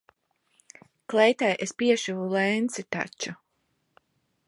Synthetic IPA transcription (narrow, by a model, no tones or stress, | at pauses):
klɛjt̪ajʔespiɛʃuvulɛjnt̪sit̪a̰t͡ʃːu